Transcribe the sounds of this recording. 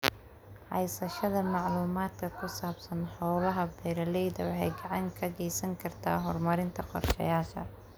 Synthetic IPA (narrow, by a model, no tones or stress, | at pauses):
ħɑ̰jsɐʃɐðɐmɑʕluːmaːd̪kʰɐkʰʊsaːbsɐnħɔːβɐɦɐbɛɾɐlɛjðɐwɑħɑjɡɑʕɑŋkʰɐɣɛjsɐŋkʰɐrt̪ʰa̰ːɦɔrmɐɾɪnt̪ʰɐqɔ̰rʃɐ̰jaːʃɐ̰